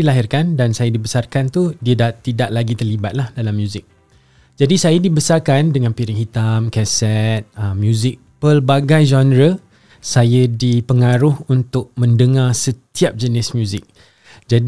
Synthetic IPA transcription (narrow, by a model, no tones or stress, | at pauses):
ilaɦɪrkandansajadibəsarkant̪udiədat̪idaʔlaɡit̪ərlibat̪̚lahdalamjuzɪk̚ | d͡ʒadisajadibəsarkandəŋãnpiɾɪk̚ɦit̪amkɛsɛt̪̚əmjũzɪk̚pəlbaɡajd͡ʒɔnɾə | sajədipəŋaɾʊhunt̪ʊk̚mə̃ndəŋarsət̪iap̚d͡ʒənɪsmjũzɪk̚ | d͡ʒad